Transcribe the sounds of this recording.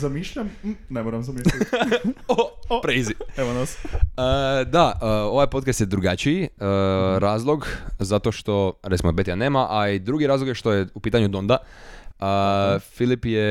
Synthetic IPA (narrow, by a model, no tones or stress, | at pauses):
zamiʃʎam̩nemoɾamzamiʃ | opɾezieʋonasəd̪aəo̞ʋajpot̪kast̪jed̪ɾuɡat͡ʃiiəɾaːzlˠoɡzat̪o̞ʃt̪o̞ɾet̪simobe̞t̪ijane̞ːmaʔaid̪ɾuɡiɾaːzloɡjeʃt̪ojeupiːt̪aɲud̪ond̪aəfilipje